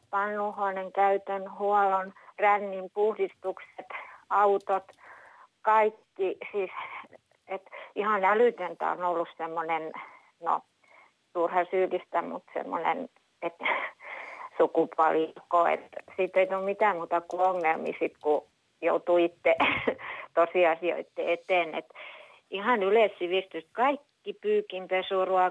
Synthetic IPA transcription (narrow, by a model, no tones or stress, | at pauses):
pɑnːuhoːneŋkæyt̪ønhuɑlonrænːimpuhdist̪ukset̪ɑut̪ot̪ | kɑikːisiːs | et̪ihɑnælyˑt̪ønt̪æ̰o̰nolːussemːonen | no̰ | t̪uːrhɑsyːlist̪æmṵt̪sḛmːo̰nḛn | et̪ | sukupuɑlikoˑḛt̪siːt̪eit̪ulmit̪æːˑmuːt̪ɑkuoŋːelmḭːsit̪ku | jo̰ut̪uit̪ːe | t̪osiˑɑsio̰it̪ːḛet̪eːˑnḛt̪ | ihɑˑnyleˑssiʋiˑst̪yst̪kɑikːipyːkimpesuruɑ